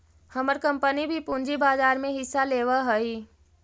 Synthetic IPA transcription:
həməɾkə̃mpənibʱipũnd͡ʒibaːzaːɾmẽɦɪsːaleːʋəɦəi

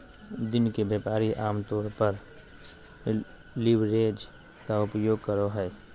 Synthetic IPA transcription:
d̪ɪnkebeːpaːɾiʔaːmt̪ɔːɾpəɾ | lɪʋɾeːd͡ʒ | kaʊpjoːɡ̚kəɾoɦɛ

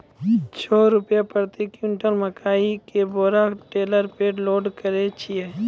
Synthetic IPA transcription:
t͡ʃʰɔːɾʊpjapəɾt̪ikjʊɳʈəlməkʰaːikeboːɾaʈeːləɾpeːloːɖkəɾet͡ʃʰie

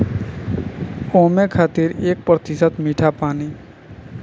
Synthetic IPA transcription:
oːmekʰaːt̪iɾeːk̚pɾət̪ɪsət̪miːʈʰapaːni

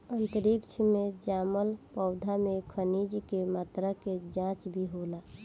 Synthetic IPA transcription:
ənt̪əɾikt͡ʃʰmed͡ʒaːməlpəʊd̪ʱamekʰənid͡ʒkemaːt̪ɾəked͡ʒãt͡ʃbʱiɦola

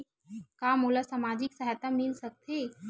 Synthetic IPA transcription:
kaːmoːlasamaːd͡ʒɪksɐɦɛt̪amɪlsɐk̚t̪ʰeː

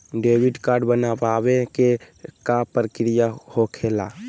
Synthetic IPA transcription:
ɖeːwɪɖkaːɾɖbənapaːweke | kapɾəkɾijahokʰeːla

